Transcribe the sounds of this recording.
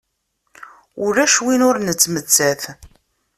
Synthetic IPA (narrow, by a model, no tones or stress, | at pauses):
ʊɾæʃwinʊɾnət͡sːmət͡sːæθ